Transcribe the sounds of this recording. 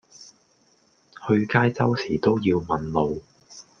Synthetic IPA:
hɵ˧ɥkaː˥jt͡sɐ˥wsiː˨˩t̪o˥wjiː˧wmɐ˨nlo˨˧w

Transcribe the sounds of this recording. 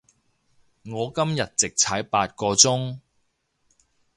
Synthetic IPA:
ŋɔː˨˧kɐ˥mjɐ˨t̚t͡sɪ˨k̚t͡sʰaː˨˥jpaː˧t̚kɔː˧t͡sʊ˥ŋ

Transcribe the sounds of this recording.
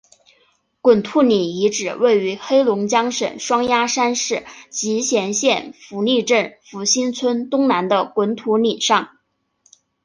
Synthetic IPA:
kwə˨˩nt̪ʰu˥˩ni˨˩i˧˥ʈ͡ʂɻ̩˨˩we˥˩ɪy˧˥xe˥ɪlʊ˧˥ŋt͡ɕjɑ˥ŋʂə̰˨˩nʂwɑ˥ŋja˥ʂa˥nʂɻ̩˥˩t͡ɕi˧˥ɕjɛ˧˥nɕjɛ˥˩nfu˧˥ni˥˧ʈ͡ʂə˥˩nfu˧˥ɕi˥nt͡sʰwə˥nt̪ʊ˥ŋna˧˥nd̪ə˧kwə˧˥nt̪ʰu˧˥ni˨˩ʂɑ˥˩ŋ

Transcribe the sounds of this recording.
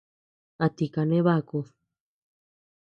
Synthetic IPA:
a˧t̪i˨ka˧nẽ˦βa˦˧ku˧

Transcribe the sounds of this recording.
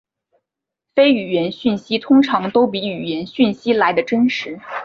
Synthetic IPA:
fe˥ɪy˨˩ɥjɛ˧˥nɕy˥˩nɕi˥t̪ʰʊ˥ŋʈ͡ʂʰɑ˧˥ŋt̪o˥ʊp̬i˧˥y˨˩ɥɛ˧˥nɕy˥˩nɕi˥la˧˥ɪd̪ə˧ʈ͡ʂə˥nʂɻ̩˧˥

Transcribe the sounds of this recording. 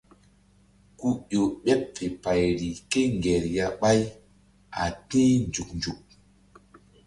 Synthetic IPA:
ku˦ɗo˨ɓɛ˦pfe˨pa˨jɾi˨ke˦ŋɡɛ˨ɾja˨ɓa˦j | ʔa̰˨tĩ˦nd͡ʒu˨k̚nd͡ʒu˨k̚

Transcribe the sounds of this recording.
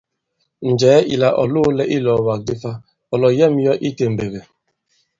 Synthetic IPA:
n̩˨d͡ʒɛː˨˦ʔḭ˨la˨ʔɔ̰˨lʊ˦lɛ˦ʔi˦lɔ˨wa˨k̚di˦fa˦ | ɔ˨lɔ˨jɛ˦m˦jɔ˦ʔi˦te˨m̩˨be˨ve˨

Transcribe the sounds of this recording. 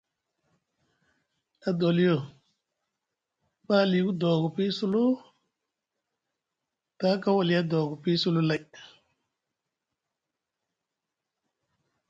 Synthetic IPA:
a˨do˨li˦jo˦˨ | ɓa˦li˨ku˦do˨ɡu˨pi˦su˦lu˦ | ta˦ka˦wa˨li˨˦a˦do˨ɡu˨pi˦su˦lu˦la˨j

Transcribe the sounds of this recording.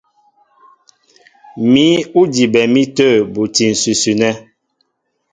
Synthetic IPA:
mi˦u˦di˨bɛ˨mi˦tə˦˨bu˨ti˨n̩˨sʉ˨sʉ˨nɛ˦

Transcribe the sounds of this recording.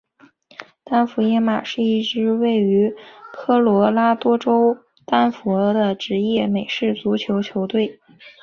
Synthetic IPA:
t̪a˥nfu˧˥jɛ˥nma˨˩ʂɻ̩˥˧i˥˩ʈ͡ʂɻ̩˥we˥˩ɪy˧˥tʰɤ˥lwɔ˧˥la˥t̪wɔ˥ʈ͡ʂo˥ʊ | t̪a˥nfɔ˧˥d̪ə˧ʈ͡ʂɻ̩˧˥jɛ˥˩me˨˩ɪʂɻ̩˥˩t͡su˧˥t͡ɕʰjo˧˥ʊt͡ɕʰjo˧˥ʊt̪we˥˩ɪ

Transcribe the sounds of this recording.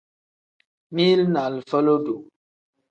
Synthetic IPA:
mi˦lna˨lfə˦lo˦do˨

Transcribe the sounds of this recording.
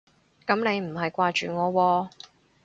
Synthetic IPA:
kɐ˨˥mne˨˧jm̩˨˩ɦɐ˨jkʷaː˧t͡ʃyː˨ŋɔː˨˧wɔː˧

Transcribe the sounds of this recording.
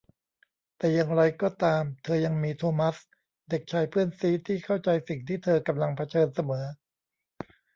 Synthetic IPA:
t̪ɛː˨˩ja˧ŋɾa˧jkɔː˥˩t̪aː˧mt̪ʰɤː˧ja˧ŋmiː˧t̪ʰoː˧ma˦˥s | de˨˩k̚t͡ɕʰaː˧jpʰɯː˥˩ənsiː˦˥t̪ʰiː˥˩kʰa˥˩wt͡ɕa˧jsi˨˩ŋt̪ʰiː˥˩t̪ʰɤː˧ka˧mla˧ŋpʰa˦˥t͡ɕʰɤː˧nsa˧mɤː˩˦

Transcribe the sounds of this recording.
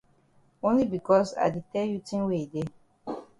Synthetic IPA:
õ˦nli˦bi˨kɔ˦sa̰˨ɪde˨tɛ˦lju˦tĩ˦nwe˦i˨de˦

